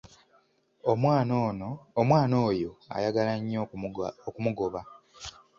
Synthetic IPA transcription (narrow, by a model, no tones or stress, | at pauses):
omwaːnoːjo̞a̰jaɡalaɲːookumuɡo̞βa